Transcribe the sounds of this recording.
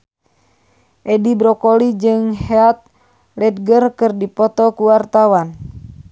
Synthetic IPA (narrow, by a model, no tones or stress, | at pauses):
ʔɛdibɾɔkolid͡ʒɨŋheat̪̚ | lɛd̪̚ɡərkɨrdipɔt̪ɔkuwart̪awan